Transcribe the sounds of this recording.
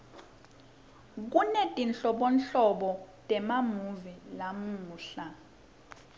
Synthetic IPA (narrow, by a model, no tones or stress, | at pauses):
k̬unɛtʼinɬɔɓɔnɬɔɓɔtʼɛmamuvilamuːɬa